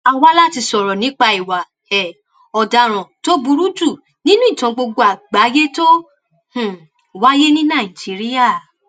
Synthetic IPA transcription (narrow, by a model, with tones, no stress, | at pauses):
a˧wa˦la˦ti˧sɔ˨ɾɔ˨nĩ˨˦k͡pa˧i˨wa˨ | ɛ˨ | ɔ˨da˧ɾ̃ɔ̃˨to˦bu˧ɾu˦du˦˨ | nĩ˦nũ˦i˦˨tã˧ɡ͡bo˧ɡo˧˦a˨ɡ͡ba˨˦je˦to˦ | h̩˦˨ | wa˦je˦nĩ˦nã˦˨i˨d͡ʒi˨˦ɾi˦ja˦˨